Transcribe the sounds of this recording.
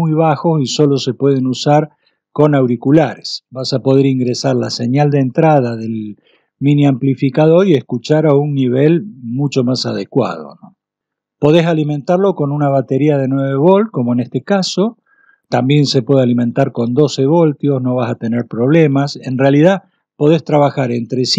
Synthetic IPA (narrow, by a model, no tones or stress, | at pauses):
ujβaxo̞siso̞lo̞se̞pwe̞ð̞enusaɾ | ko̞nawɾikulaɾesbasapo̞ð̞e̞ɾiŋɡɾesaɾlase̞ɲald̪eent̪ɾað̞aðe̞l | mĩniamplifikaðo̞ɾieskut͡ʃaɾaunːiβ̞e̞lmut͡ʃo̞masað̞e̞kwa̰ð̞o̞̰no | po̞ð̞e̞saliment̪aɾlo̞ko̞nunaβ̞at̪e̞ɾiað̞e̞nwe̞βe̞βo̞lko̞moenest̪ekaso̞ | t̪ambje̞nse̞pwe̞ð̞ealimẽ̞nt̪aɾko̞nd̪o̞se̞β̞o̞lt̪jo̞sno̞β̞asat̪e̞neɾpɾo̞β̞le̞mase̞nrealið̞a | po̞ð̞e̞st̪ɾaβaxaɾe̞nt̪ɾes